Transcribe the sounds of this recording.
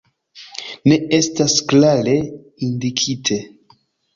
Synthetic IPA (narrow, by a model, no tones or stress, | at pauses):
ne̞e̞stasklaɾe̞ | indikʰitʰe